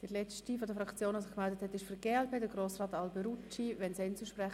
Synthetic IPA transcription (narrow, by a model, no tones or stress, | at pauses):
d̥əlɛt͡stifɔdəfɾɑkt͡sjoːnasɪχkmɛldəthɛtɪʃfyɡ̥eːɛlpeːdəɡroːsrɑːtɑlbeɾut͡ʃiʋɛnsɛnt͡suʃpɾɛχ